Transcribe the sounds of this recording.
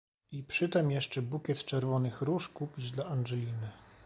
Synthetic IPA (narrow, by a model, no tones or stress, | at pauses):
ipʂɘt̪ɛmjɛʂt͡ʂɛbukʲɛt̪t͡ʂɛɾvɔnɘxɾuʂkupʲid͡ʑd̪laanʐɛlʲinɘ